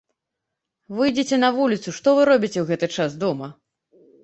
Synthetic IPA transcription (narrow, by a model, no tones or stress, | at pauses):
vɨjd͡zʲet͡sʲɛnɐvulʲit̪suʂt̪ɔvɨɾɔbʲit͡sʲɛwɣɛt̪ɨt͡ʂasd̪ɔmɐ